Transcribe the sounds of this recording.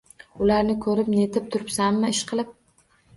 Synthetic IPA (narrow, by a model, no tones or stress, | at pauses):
ʊlaɾnɪkʰɵɾɪpnet̪ʰɪp̚t̪ʰʊɾɪpsamːɪɪʃqʰɨlˠɪp̚